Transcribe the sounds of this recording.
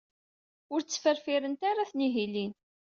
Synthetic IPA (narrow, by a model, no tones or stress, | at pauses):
ʊɾt͡sːfəɾfiɾənt̪aɾaθniɦilin